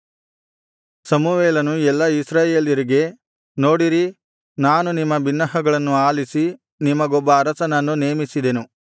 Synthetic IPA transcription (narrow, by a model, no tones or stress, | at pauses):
sɐmuʋeːlɐnuɛlːɐisɾaːjeːljɐɾiɡe̞ | no̞ːɽiɾi | naːnunimːɐbinːɐɦɐɡɐɭɐnːuaːlisi | nimːɐɡɔbːɐːɾɐsɐnɐnːuneːmisid̪e̞nu